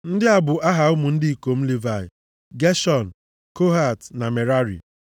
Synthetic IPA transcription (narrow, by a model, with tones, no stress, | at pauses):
n̩˦dɪ˦a˨bʊ˨ʔa˦ɦa˨ʊ˦mu˨n̩˦dɪ˦i˨ko˨m̩˦li˦va˨ɪ̰˨ | ɡe˦ʃɔ˨n̩˨ | ko˦ɦa˨tna˨me˨ɾa˦ɾḭ˨